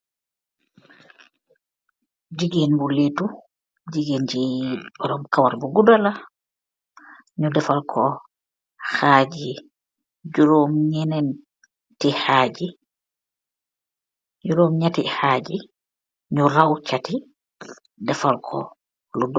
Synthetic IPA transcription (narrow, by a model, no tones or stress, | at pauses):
d͡ʒiɡinbuletu | d͡ʒiɡend͡ʒibɔɾɔmkawaɾbuɡudala | ɲudɛfalkʰɔ | xad͡ʒi | d͡ʒuɾomɲɛnɛn | tihad͡ʒi | d͡ʒuɾomɲatihad͡ʒi | ɲuɾawt͡ʃati | dɛfalkʰɔ̰ | lud